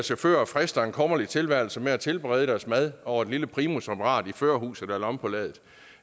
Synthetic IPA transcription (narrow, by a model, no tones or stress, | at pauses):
ɐsɕæføɐ̰fʁɛsd̥ɐe̝nkʰɒ̽mɐlit͡sʰe̝lʋæɐ̰l̩səmeæt͡sʰe̝lb̥ʁɛ̰ːð̞ˠəɾ̥æɐsmæð̞ˠʔɒʊɐe̝d̥liləpʰʁiːmosʁepʰɐʁɑ̰̈ːd̥iføɐ̰hṵːsð̩ˠd̥ælɒ̽mpʰɒ̽lɛːðˠð̩ˠ